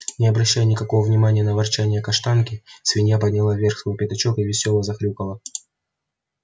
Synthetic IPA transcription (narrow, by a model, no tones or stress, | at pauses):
nʲɪɐbɾɐɕːæjʊnʲɪkɐko̞vəvnʲɪmanʲɪjənəvɐrt͡ɕænʲɪjəkɐʂt̪ankʲɪsvʲɪnʲep̬ədʲnʲɪlˠavʲe̞rxsvojpʲɪt̪ɐt͡ɕo̞kɨvʲɪsʲo̞lˠəzɐxɾʲukəlˠə